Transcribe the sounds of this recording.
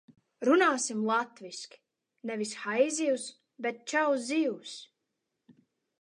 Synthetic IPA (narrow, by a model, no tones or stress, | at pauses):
ɾunaːsimlˠat̪viskʲi̥ | nɛvisxajziws | bet̪̚t͡ʃawziːws